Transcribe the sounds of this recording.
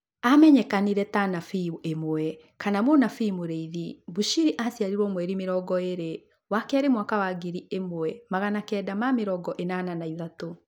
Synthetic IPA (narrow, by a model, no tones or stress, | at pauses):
amɛɲɛkaniɾɛtanafiemoɛ | kanamonafimoɾeiðibuʃiɾiʔasjaɾiɾwɔmwɛɾimeɾɔɡɔeɾe | wakɛaɾemwakawaɡiɾiemwɛmaɣanakɛdamameɾɔɡɔʔenananaiðato